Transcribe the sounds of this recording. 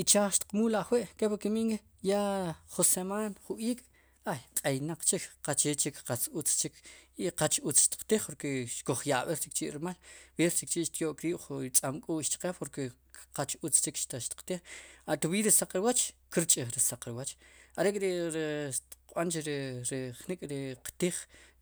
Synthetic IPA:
it͡ʃaχʃt̪i̥qmuːlaχweʔkepakimiŋke | jaχusemaːnχuʔiːkʼ | ajqʼejnaq͡χt͡ʃikqat͡ʃet͡ʃikqat͡sut͡st͡ʃikʰiqat͡ʃʔut͡sʃt̪i̥q͡χt̪iχpoɾkeʃkoχjaɓeɾt͡ʃik̚t͡ʃiʔɾɾmalweɾt͡ʃik̚t͡ʃiʔʃt̪joːʔkɾiːɓ̥χut͡sʼamkʼuːʔʃt͡ʃ̪qepoɾke | qat͡ʃut͡st͡ʃikʃt̪aʃt̪i̥qt̪iχat̪uwiːɾisaq͡χɾiwat͡ʃkiɾt͡ʃʼiχɾisaqɾiwat͡ʃaɾekʼɾeɾʃt̪i̥q͡χɓant͡ʃiɾɾiχnikʼɾiqt̪iːχ

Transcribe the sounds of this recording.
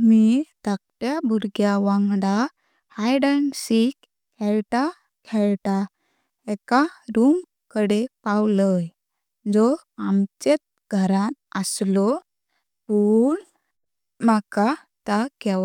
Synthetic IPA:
mit̪ak̚ʈjabʱuɾɡjaʋãŋɡɽa | hajɖənsik | kʰɛɭʈa | kʰɛɭʈa | ɛkaɾum | kəɽepawləj | d͡zɔ | amt͡ɕet̪̚ | ɡʱəɾãt̪əslɔ | puːɳ | maka | t̪akɛ

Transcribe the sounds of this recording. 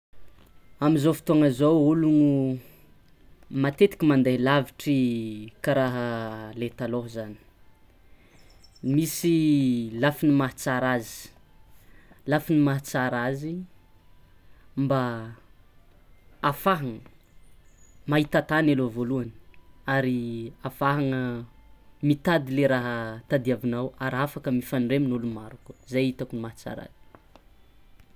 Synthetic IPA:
amizofi̥t̪oaŋəzowuluŋu | mat̪et̪i̥kʲimand̪elaviʈ͡ʂikaɾaɦəlet̪aloɦzani̥ | misilafinimaɦt͡saɾazi̥ | lafinimaɦt͡saɾazi | mba | faɦaŋə | maɦit̪at̪anelovoluanə̥aɾiafaɦaŋə | mit̪ad̪ileɾaɦət̪ad̪iavinawaɾafakəmifanreminulumaɾuku̥zajit̪akunimaɦat͡sa̰ɾa̰z̥i̥

